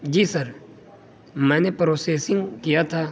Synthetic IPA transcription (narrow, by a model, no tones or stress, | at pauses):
d͡ʒiːsəɾ | mɛ̃ːnepɾoːseːsɪ̃ŋɡkijat̪ʰaː